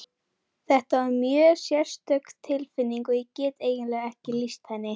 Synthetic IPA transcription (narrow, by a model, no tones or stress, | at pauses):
θɛht̪avaɾmjœːsjɛ̥st̪œɥkt̪ʰːɪlfɪnːiŋkɔjɛcɛːt̪eːjɪnlɛːɣɛhcɪlist̪hɛnːɪ